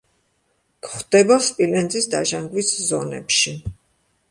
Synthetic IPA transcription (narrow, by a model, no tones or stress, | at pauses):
kχd̪ɛbaspʼilɛnd̪zʼisd̪a̰ʒaŋɡwiszɔnɛ̰pʃi